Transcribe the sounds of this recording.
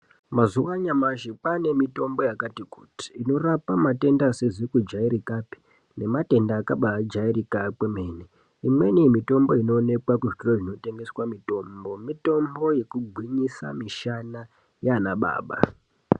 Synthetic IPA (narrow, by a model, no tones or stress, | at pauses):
mazuwaɲamaʃipane̞mito̞mbo̞jakatiku̥ti̥ːno̞rapamate̞ndasezikud͡ʒaiɾikapi̥ | ne̞mate̞ndaːkaɓad͡ʒairikakwemene | imwe̞niemito̞mbo̞ino̞ːne̞kwakuʐitiroʐino̞te̞ŋɡe̞swamito̞ːmbo̞mito̞mbo̞je̞kuɡʱwiɲisa̰miʃana | janaɓa̰ːɓa̰